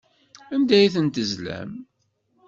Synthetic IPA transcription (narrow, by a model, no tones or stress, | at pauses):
ænd̪æjθənt̪əzlæ̰m